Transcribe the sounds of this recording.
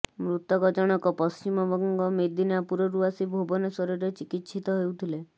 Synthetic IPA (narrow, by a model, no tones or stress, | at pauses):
mɾut̪ɔɡɔd͡ʒɔɽ̃ɔkɔpɔst͡ʃimɔbɔŋɡɔmed̪inapuɾɔɾuasibʱobɔnesɔɾɔɾet͡ʃikit̪ːʃʰit̪ɔɦewt̪ʰile